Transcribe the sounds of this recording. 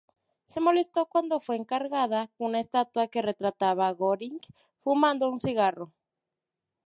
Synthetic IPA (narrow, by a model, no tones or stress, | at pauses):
se̞mo̞le̞st̪o̞kwand̪o̞fwe̞ːŋkaɾɣaðakounaest̪at̪wake̞re̞t̪ɾat̪aβaɣoɾiŋɡ | fumãnd̪o̞unsiɣaro̞